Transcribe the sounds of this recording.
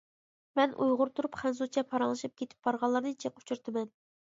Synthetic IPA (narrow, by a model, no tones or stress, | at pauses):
mɛnʔṵjʁʊɾt̪ʰuɾupχænsut͡ʃʰɛpʰɑɾɑŋlˠɨʃɨp̚kʲet̪ʰɪ̥p̚bɑɾʁɑlˠːɑɾnɨt͡ʃʰequ̥t͡ʃʰuɾt̪ʰɨmɛn